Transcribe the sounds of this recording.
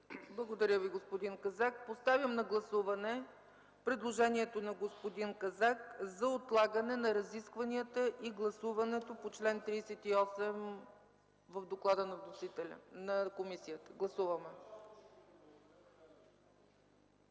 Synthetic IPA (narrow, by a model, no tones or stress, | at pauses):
blˠɐɡod̪ɐɾʲjəviɡospod̪inkɐzak̚post̪avjəmnɐɡlˠɐsuvɐnɛ | pɾɛd̪lˠoʒɛniɛt̪onɐɡospod̪inkɐzakzɐot̪lˠaɡənɛnɐɾɐziskvɐniət̪əʔiɡlˠɐsuvɐnɛt̪opot͡ʃlɛnt̪ɾiːsɛt̪iɔsɛm | vəvd̪oklˠad̪ənɐvnosit̪ɛnɐkomisiət̪ə̥ɡlˠɐsuvɐmɛ